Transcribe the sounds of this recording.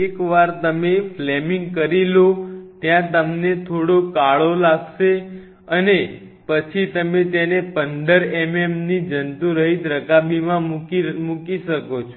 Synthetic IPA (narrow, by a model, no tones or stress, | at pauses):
ekʋaɾt̪əmeflemiŋɡkəɾilot̪jãt̪əmnet̪ʰoɽokaɭolaɡʃe | əne | pət͡ʃʰit̪əmet̪enepənd̪əɾememnid͡ʒənt̪ũɾəɦid̪ɾəkabimãmukiʃəkot͡ʃʰo